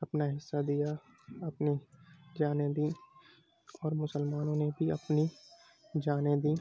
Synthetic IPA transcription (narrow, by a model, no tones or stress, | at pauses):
ɐpnaɦɪsːad̪ija | ɐpnid͡ʒaːnẽd̪ĩː | ɔːɾmʊsəlmaːnõnebʱiɐ̰pni | d͡ʒaːnẽd̪ĩː